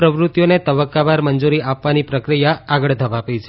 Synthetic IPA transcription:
pɾəʋɾut̪jonet̪əbəkːabaɾmənd͡ʒuɾiʔapʋanipɾəkɾijaaɡəɭd̪ʱəʋapit͡ʃʰe

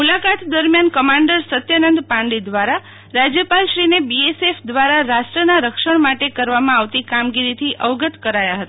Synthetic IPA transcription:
mulakat̪d̪əɾmjankəmaɳɖəɾsət̪jənənd̪pãɳɖid̪ʋaɾa | ɾad͡ʒjəpalʃɾinebiesefd̪ʋaɾaɾaʃʈɾənaɾəkʃəɳ̃maʈekəɾʋamãaʋt̪ikamɡiɾit̪ʰiʔəʋɡət̪kəɾajaɦət̪a

